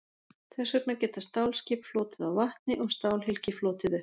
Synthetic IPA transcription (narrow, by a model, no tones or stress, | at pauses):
θɛsːʏt̪nacɛːt̪ast̪aːwlscɪːpflɔːt̪ɪðawvaht̪nɪʔɔɣst̪aːwlɦɪlcɪflɔːt̪ɪðʏ